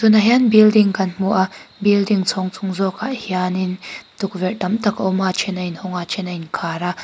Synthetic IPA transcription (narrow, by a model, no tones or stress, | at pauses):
sʊnaɦjanbildiŋkɐnm̥uʔabildiŋt͡sʰɔŋt͡sʰuŋzɔkaʔhiaːnint̪uk̚vɛʔtɐmt̪ɐkɔmat͡ʃʰɛnɐjnhɔŋat͡ʃʰɛnɐjnkʰaːɾa